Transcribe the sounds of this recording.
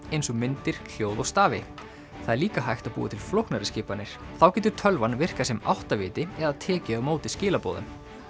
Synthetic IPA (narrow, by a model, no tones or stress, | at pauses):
ejnsɔmɪnt̪ɪɾ̥kʰl̥joːwðɔst̪aːvɪ | θaðɛɾliːkaɦajxt̪aðpṵːa̰t̪ʰɪlflowhknaɾɪscɪːpanːɪɾ̥ | θawcɛːt̪ʏ̥ɾ̥t̪ʰœlvanvɪr̥kasɛma̰wht̪avɪːt̪ɪɛðaðt̪ʰɛːcɪamoːwt̪ɪscɪːlapo̰ːwðʏ̰m